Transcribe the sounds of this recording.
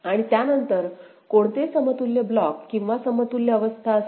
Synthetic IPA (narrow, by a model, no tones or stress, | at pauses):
aɽ̃it̪janənt̪əɾ | koɳt̪esəmət̪ulːeblɔkːĩw̃ʋasəmət̪uljaəʋəst̪ʰaəs